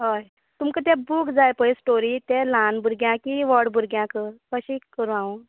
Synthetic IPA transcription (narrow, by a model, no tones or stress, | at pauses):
ɦoj | t̪umkət̪ɛ̃bukd͡zajpəjsʈoɾit̪ɛlanbʱuɾɡjãkiʋɔɽbʱuɾɡjãkəkəɕikːəɾũãu